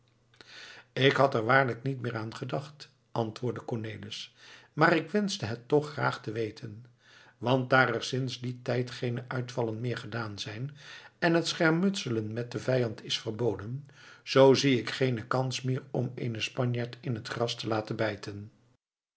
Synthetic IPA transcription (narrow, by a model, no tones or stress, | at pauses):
ɪkɦɑtɛɹʋaːɹləknitmɪːɹaːnχədɑχt | ʔɑntʋʊːɹdəkɔɹnejlɪsmaːɾɪkʋɛnzdəɦətːɔχra̰ːχtəʋejtʰən | ʋɑnt̚daːɾɛɹsɪnzditɛjtχejnəʔœɥtfɑlənmɪːɹχədaːnzɛjnɛnɦətsχɛɹmɵtsələnmɛt̚dəvɛjɑntɪsfəɹbowdən | z̥owziɪkχejnəkɑnsmɪːɹɔmḛjnəspɑɲjaːɹtɪnɦətχrɑstəlaːtənbɛjtʰən